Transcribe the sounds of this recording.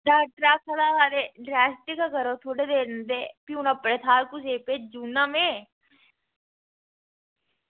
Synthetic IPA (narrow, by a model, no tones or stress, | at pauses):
ɖaːʈɾaːkʰːəlaːkaːɾeɖɾɛːsʈɪkakəɾoːt̪ʰoːɽeːd̪eːɾnd̪eːpɪjũːnãːpəɾet̪ʰaːɾkʊseːpeːd͡ʒuːnãːmẽː